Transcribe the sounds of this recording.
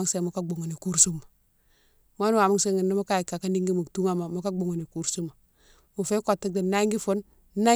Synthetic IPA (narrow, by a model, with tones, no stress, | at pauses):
ŋse˦mu˨ka˦ɡ͡bo˨ŋo˨ni˨ku˦ɾsu˦ma˨ | m˦a˦n˦wa˨mu˦ŋse˦ŋi˨nːi˦mu˦ka˦i˨kːa˨ka˦ni˦ŋɡi˦mu˨tu˦ŋa˦ma˨mu˦ka˦ɡ͡bo˨ŋo˨ni˨ku˦ɾsu˦ma˨ | mu˨fe˦ko˨tːi˦de˨na˦ŋɡi˦fo˦n | na˦